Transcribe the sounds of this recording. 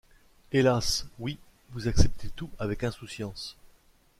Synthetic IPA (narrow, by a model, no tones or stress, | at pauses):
elaswi | vuzaksɛp̚t̪ʰet̪uavɛkɛ̃susjɑ̃s